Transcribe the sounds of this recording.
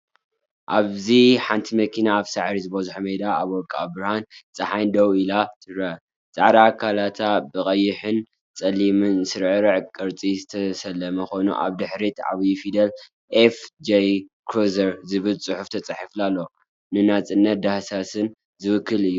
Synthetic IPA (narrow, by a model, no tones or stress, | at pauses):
ʔaβziħant̪ʰimɐkʰinaːβsaʕɾizɨbɐzuħmed̪aaβɔkʼaːbɾahant͡sʼɐħajnd̪ɐwilat̪ɨɾɐ | t͡sʼa̰ʕɾakʰalat̪ʰabɨkʼɐjːɪħɨn | t͡sʼɐlimɨnsɨɾʕɨɾɨʕkʼɨɾt͡sʼizɨt̪ʰɐsɐlːɐmɐxo̞nṵʔa̰βd̪ɨħɾit̪a̰βjifid̪ɐl | ʔefd͡ʒejkʰɾozɐɾzɨβɨlt͡sʼɨħuft̪ʰɐt͡sʼaħaflalːo | nɨnat͡sʼɨnːɐt̪̚d̪ahsasɨn | zɨwɨkʰːɨlɨjːu